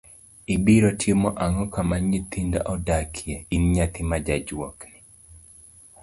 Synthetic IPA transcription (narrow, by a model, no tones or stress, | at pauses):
ibiɾɔtʰjemɔʔaŋɔkamaɲit̪inda̰ʔɔdakʰjɛinɲat̪ɪmad͡ʒad͡ʒwɔkni